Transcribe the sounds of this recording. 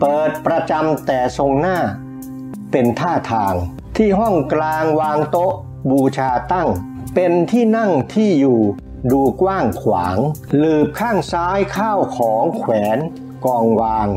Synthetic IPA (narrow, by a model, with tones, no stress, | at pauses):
pɤː˨˩t̪̚pɾa˧t͡ɕa˧mt̪ɛː˨˩so˧ŋnaː˥˩ | pe˧nt̪ʰaː˥˩t̪ʰaː˧ŋ | t̪ʰiː˥˩ɦɔ˥˩ŋklaː˧ŋwaː˧ŋt̪o˦˥ʔ | buː˧t͡ɕʰaː˧t̪a˥˩ŋ | pe˧nt̪ʰiː˥˩na˥˩ŋt̪ʰiː˥˩juː˨˩ | duː˧kwaː˥˩ŋkʰwa̰ː˩˦ŋlɯː˨˩p̚kʰaː˥˩ŋsaː˦˥jkʰaː˥˩wkʰɔː˩˦ŋkʰwɛː˩˦n | kɔː˧ŋwaː˧ŋ